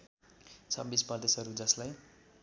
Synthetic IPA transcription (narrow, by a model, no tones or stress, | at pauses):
t͡sʰʌbispʌd̪esʌɾud͡zʌslaj